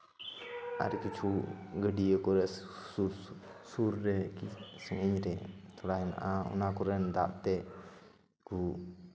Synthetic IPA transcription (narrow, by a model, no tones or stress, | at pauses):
ʔa̰ɾikit͡ʃʰuɡəɖiəkɔɾɛuɾ | suɾːɛkisəŋiɲɾɛt̪ɔlaɛna̰ʔaṵnakuɾɛnd̪a̰ʔt̪ɛʔ | ɡu